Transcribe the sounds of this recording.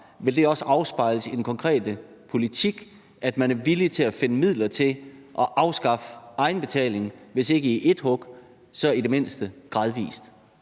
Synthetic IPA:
ʋe̝ld̥e̝ɒ̽səɑ̈ʊsb̥ɑ̈ɪləsid̥en̩kʰɒ̽ŋkʰʁɛ̰ːd̥ə | pʰo̝lit͡sʰiɡ̥ | æd̥mænæɐʋilit͡sʰe̝læfe̝nəmið̞̰ˠlɐt͡sʰe̝lʔɒ̽ʔɑ̈ʊsɡ̥ɑ̈fʔɑ̈ɪn̩b̥e̝t͡sʰɛ̰ːle̝ŋʋe̝se̝ɡ̥əiʔe̝d̥hɔ̽ɡ̥ | sɒ̽id̥e̝me̝n̰sd̥əɡ̥ʁɑ̈ð̞ˠʋḭːsd̥

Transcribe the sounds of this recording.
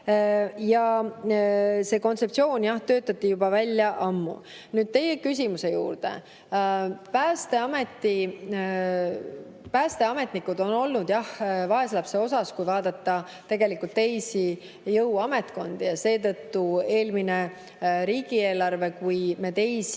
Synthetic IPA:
jɑ | se̞ko̞nt̪se̞pt̪sio̞ːnjɑht̪ø̞ːt̪ːˑɑt̪ˑːijubɑvælʲjɑʔɑmːṵ | nyːd̪̥̚t̪e̞je̞kys̬ʲimuse̞jṵːrd̪̥ḛ | pæːst̪e̞ɑme̞t̪ːi | pæːst̪e̞ɑme̞t̪nikːˑud̪̥o̞no̞lnud̪̥jɑhvɑe̞slɑpseo̞sɑskujvɑːd̪ɑt̪ːɑ | t̪e̞ɡ̥e̞likːˑult̪ːe̞jsi | jɤwɑme̞t̪ko̞nd̪̥ijɑse̞ːt̪ɤ̞t̪ːue̞ːlmine̞ | ɾiːɡ̥ieːlɑrve̞kujme̞t̪e̞js

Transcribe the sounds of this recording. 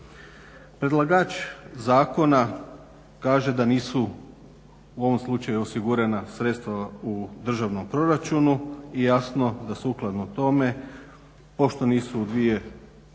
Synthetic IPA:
pɾed̪lˠaɡaːt͡ʃzaːko̞na | kaːʒe̞d̪aniːsu | uo̞ʋomslˠut͡ʃajuosiɡuɾenasɾet̪st̪ʋaud̪r̩ʒaʋnompɾo̞ɾat͡ʃunuijasno̞d̪aseuklˠad̪nut̪o̞me̞ | po̞ʃt̪o̞niːsuːd̪ʋije̞

